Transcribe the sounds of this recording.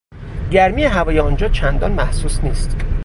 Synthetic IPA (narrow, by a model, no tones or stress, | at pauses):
ɟæɾmijeɦævɒːjeɒnd͡ʒɒːt͡ʃʰænd̪ɒːnmæhsuːsniːst̪